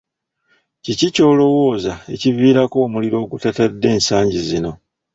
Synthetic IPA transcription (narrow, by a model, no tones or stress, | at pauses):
cicico̞ːlo̞wo̞ːzae̞̰civiːɾako̞ːmuliɾo̞ːɡutatadːe̞ːnsaːɲɟizino̞